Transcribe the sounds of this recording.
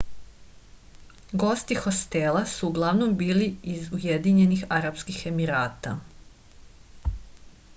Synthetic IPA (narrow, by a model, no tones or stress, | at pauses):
ɡo̞st̪ixo̞st̪e̞lˠasuːɡlˠaʋno̞mbiːliizujed̪iɲe̞nixaɾapskixe̞miɾaːt̪a̰